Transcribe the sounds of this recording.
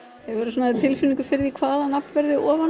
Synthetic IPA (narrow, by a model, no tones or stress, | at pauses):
ɛvɛɾʏsɔnat̪ʰɪlfinĩŋkʏ̥fɪɾɪðikʰvaːðanapnvɛɾðɪʔɔːva